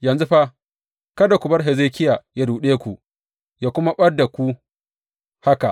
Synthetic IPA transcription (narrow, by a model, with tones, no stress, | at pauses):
jɐ˨nzu˦ɸa˦ | kɐ˦da˨kʷʊ˨bɐ˦rɦɛ˨zeː˦kʲɪ˦jaː˨ja˦duː˨ɗeː˦kʷu˨ʔ | jaː˦kʷʊ˦ma˦ɓɐ˦da˨kʷu˦ | ha˦ka˨ʔ